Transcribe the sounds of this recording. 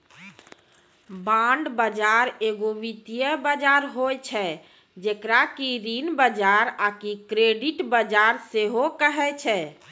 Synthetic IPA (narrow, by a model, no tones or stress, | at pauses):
bãɳɖbəd͡ʒaɾeɡoʋit̪ijəbəd͡ʒaɾɦojt͡ʃʰɛ | d͡ʒekɾakiɾinbəd͡ʒaɾakikɾeɖiʈbəd͡ʒaɾseɦokəɦɛt͡ʃʰɛ